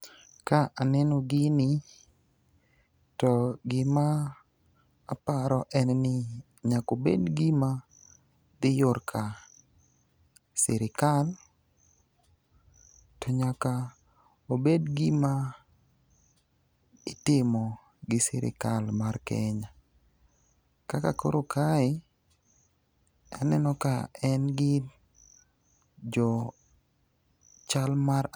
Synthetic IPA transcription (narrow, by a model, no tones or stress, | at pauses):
kaʔanɛnɔɡɪnɪ | tɔɡɪma | paɾɔʔɛnnɪ | ɲakobḛdɡɪma | d̪ɪjʊrkʰa | sɛɾɪkal | tɔɲaka | obedɡɪma | ɪtɪmɔ | ɡɪsɪ̰ɾɪ̰kalmarkɛ̰ɲa | kakako̰ɾokʰaɪ | ɛnɛnɔkaɛnɡɪ | d͡ʒɔ | t͡ʃalmaɾ